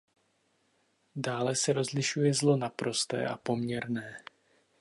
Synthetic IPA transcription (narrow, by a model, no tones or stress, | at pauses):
daːlɛsɛɾo̞zlɪʃujɛzlo̞napɾo̞st̪ɛ̰ːʔa̰po̞mɲɛɾnɛː